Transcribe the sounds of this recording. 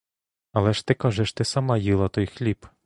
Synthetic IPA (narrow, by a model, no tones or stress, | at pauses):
ɐlˠɛʃt̪ɪkɑʒɛʃt̪ɪsɐmɑjilˠɐt̪ɔjxlʲip